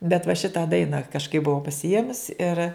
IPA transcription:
bʲɛt ʋɐ ˈʃʲɪtɑː ˈdɐɪnɐ kɐʃˈkɐɪp bʊˈʋɐʊ pɐsʲɪˈeːmʊs ɪr

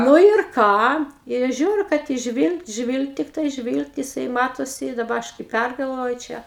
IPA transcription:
ˈnʊ ɪr ˈkɑː ɪ ˈɐʃ ˈʒʲuːrʲʊ kɐt jɪs ˈʒʲʋʲiːlˠkt ˈʒʲʋʲiːlˠkt tʲɪkˈtɐɪ ˈʒʲʋʲiːlˠkt jɪˈsɐɪ ˈmɑːtoːsʲɪ ɪ dɐˈbɐ ˈɐʃ kɐɪ ˈpʲærɡɐlˠʋoːjʊ ˈt͡ʃʲɛ

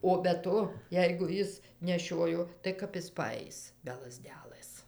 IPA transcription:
oː bʲɛ ˈtoː ˈjɛɪɡʊ ˈjɪs nʲɛˈʃʲoːjoː tɐɪ ˈkɐp ɪs pɐˈɐɪs bʲɛ lˠɐˈzʲdʲæːlˠɘs

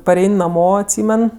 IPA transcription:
pɐˈrʲɛɪnʲ nɐˈmoː ɐtʲˈsʲiːmʲɛn

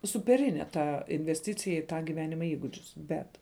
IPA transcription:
sʊpʲɛˈrʲɪnʲɛ ˈtɐ ɪnʲʋʲɛsʲˈtʲɪt͡sʲɪjɛ ɪ ˈtɑː ˈɡʲɪʋʲɛnʲɪmɐ ˈiːɡʊd͡ʒʲʊs ˈbʲɛt

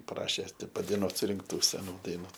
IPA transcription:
ˈprɑːʃʲeː tʲɪ pɐdɐɪˈnuɔt sʊrʲɪŋkˈtuː sʲɛˈnuː dɐɪˈnuː

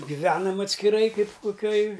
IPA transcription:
ɡʲɪˈʋʲæːnɐm ɐtʲsʲkʲɪˈrɐɪ ˈkɐɪp koːˈkʲoːj

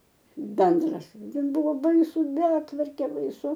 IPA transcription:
ˈbʲɛndrɐs ˈtʲɛn ˈbʊʋoː ˈbɐɪsʊ ˈbʲæːtʋɐrʲkʲeː bɐɪˈsʊ

